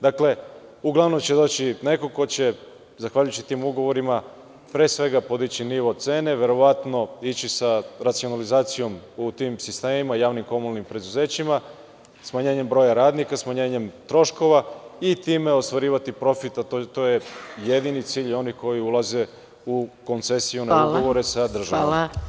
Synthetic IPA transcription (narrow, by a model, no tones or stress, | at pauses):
d̪akle̞uɡlˠaʋno̞mt͡ɕe̞d̪o̞ːt͡ɕine̞ko̞ko̞t͡ɕe̞ | zaxʋaʎujut͡ɕi̥t̪imuɡo̞ʋo̞ɾima | pɾeːsʋe̞ɡapo̞d̪it͡ɕiniʋo̞se̞ːne̞ʋe̞ɾo̞ʋat̪no̞it͡ɕisaɾat̪sio̞nalizaːt̪sijo̞mut̪imsist̪e̞ːmimajaːʋnimko̞munalnimpɾe̞d̪uze̞ːt͡ɕima | smaɲe̞ːɲe̞mbɾo̞jaɾaːd̪nikasmaɲe̞ːɲe̞mt̪ɾo̞ʃko̞ʋait̪iːme̞o̞st̪ʋaɾiːʋat̪ipɾo̞fit̪at̪ojeje̞d̪init̪siːʎio̞nihko̞jiulˠaze̞ | uko̞nt̪se̞sijunauɡoʋoɾesad̪r̩ʒaʋa